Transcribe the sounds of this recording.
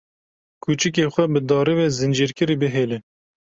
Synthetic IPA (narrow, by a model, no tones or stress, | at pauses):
kʰuːt͡ʃɨk̬eːxʷɛbɨd̪ɑːɾiwɛzɨnd͡ʒiːɾkɨɾiːbɨɦeːlɪ